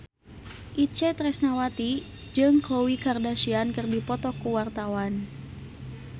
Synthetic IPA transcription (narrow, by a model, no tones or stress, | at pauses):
ʔit͡ʃɛt̪ɾɛsnawat̪i | d͡ʒɨŋklowikardaʃiankɨrdipɔt̪ɔkuwart̪awan